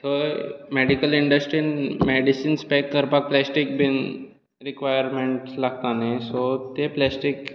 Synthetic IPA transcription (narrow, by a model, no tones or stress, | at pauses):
t̪ʰəmeɖikəliɳɖəsʈɾinmeɖisinspɛkːəɾpak̚plɛsʈik̚bin | ɾikʋajəɾmeɳʈslaɡ̚t̪anẽsot̪eplɛsʈik